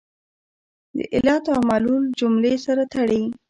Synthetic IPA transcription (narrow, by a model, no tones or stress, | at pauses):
d̪ə̰ʔɪlɑt̪amaluld͡ʒʊmlesaɾat̪aɽe